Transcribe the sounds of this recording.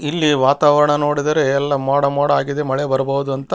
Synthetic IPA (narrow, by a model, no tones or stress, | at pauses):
ilːiʋaːt̪aːʋɐɾɐɳɐno̞ːɽid̪ɐɾeɛlːɐmaːɽɐmaːɽɐaːɡid̪emɐɭebɐɾɐbɐʋud̪uɐnt̪ɐ